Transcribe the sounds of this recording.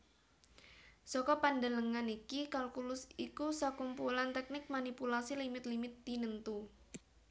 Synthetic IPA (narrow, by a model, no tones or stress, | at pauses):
sɔkɔpandələŋanikikalkulʊsikusakumpulant̪ɛk̚nɪk̚manipulasilimɪt̪limɪt̪ːinənt̪u